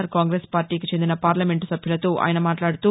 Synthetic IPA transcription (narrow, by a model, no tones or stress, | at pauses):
ɾkaːŋɡɾeːspaːɾʈiːkit͡ʃe̞nd̪inɐpaːɾlɐmeɳʈsɐbʱjulɐt̪oːʔa̰ːjɐnɐmaːʈlaːɽut̪uː